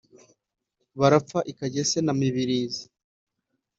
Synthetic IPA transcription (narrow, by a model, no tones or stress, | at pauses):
βaɾap͡faʔikaɟesenamiβiɾiːzi